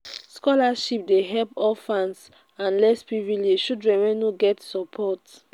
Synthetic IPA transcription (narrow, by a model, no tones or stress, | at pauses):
skɔlaʃip̚deɦɛlpɔlfãns | ãnlɛspɹivileʃudɹɛ̃wɛ̃nuɡɛtsɔpʰɔt